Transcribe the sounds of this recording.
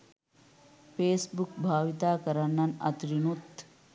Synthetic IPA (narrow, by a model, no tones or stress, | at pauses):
peːsbuk̚bʱaːʋit̪aːkɐɾanːɐnɐ̰t̪ɾinut̪